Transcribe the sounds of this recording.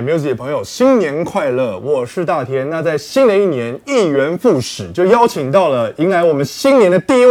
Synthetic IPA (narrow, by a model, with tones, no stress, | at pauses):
me˧˥jt͡sʰə˧pʰŋjo˨˩ʊɕi˥nnjɛ˧˥nkʰwa˥˧ɪlɤ˥˩wɔ˨˩ʂɻ̩˥˧t̪a˥˩t̪ʰjɛ˥nna˥˧t͡sa˥˩ɪɕi˥nd̪ə˧i˥˩njɛ˧˥ni˥˩ɥɛ˧˥nfu˥˩ʂɻ̩˨˩˦t͡ɕjo˥˩ʊjɑ˥ʊt͡ɕʰi˨˩ŋt̪ɑ˥˩ʊlə˩i˧˥ŋla˧˥ɪwɔ˨˩mə˦nɕi˥nnjɛ˧˥nd̪ə˧t̪i˥˧i˥